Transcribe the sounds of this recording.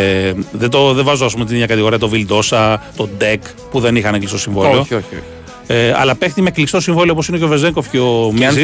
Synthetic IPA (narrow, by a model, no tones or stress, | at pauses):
ðet̪o̞ðevɐzoɐspumt̪inemɲɐkɐt̪iɣo̞ɾiɐt̪ovild̪o̞sɐt̪o̞d̪ek | puðe̞nixɐneklist̪osiɱvoliooo̰ | eɐ̰lɐpe̞xt̪imeeklikst̪osiɱvoliooposineoʝovezeŋko̞fceomiz